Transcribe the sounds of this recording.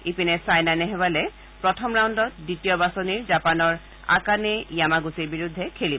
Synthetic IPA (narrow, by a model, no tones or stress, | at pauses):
ipinɛsajnanɛɦɛbalɛ | pɹɔtʰɔmɹawndɔt̚ditijɔbasɔniɹzapanɔɹ | a̰kanɛjamaɡusiɹbiɹudʱːɛkʰelib